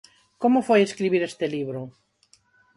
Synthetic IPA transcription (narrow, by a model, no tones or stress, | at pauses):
komʊfojeskɾiβiɾest̪eliβɾʊ